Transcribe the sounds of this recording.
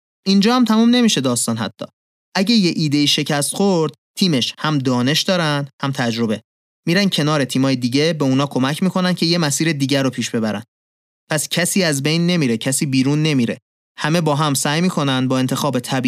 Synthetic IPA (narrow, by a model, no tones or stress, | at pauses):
ʔind͡ʒɒːhæmt̪ʰæmuːmne̞miːʃe̞d̪ɒːst̪ɒːnɦæ̰t̪ʰːɒ̰ː | ʔæɟeje̞ʔiːd̪eiːʃe̞cʰæst̪xoɾd̪̥̚t̪ʰiːmeʃhæmd̪ɒːne̞ʃd̪ɒːɾænd̪hæmt̪ʰæd͡ʒɾo̞be̞ | miːɾæncʰe̞nɒːɾe̞t̪ʰiːmɒːjed̪iːɟebe̞unɒːkʰo̞mæcʰmiːkʰo̞næncʰe̞je̞mæsiːɾe̞d̪iːɟæɾopʰiːʃb̥e̞bæɾæ̰n | pʰæscʰæsiːæzbe̞jnːe̞miːɾe̞cʰæsiːbiːɾuːnːe̞miːɾe̞̰ | hæme̞bɒːɦæmsæːjmiːkʰo̞nænd̪bɒːe̞nt̪ʰe̞xɒːbet̪ʰæbi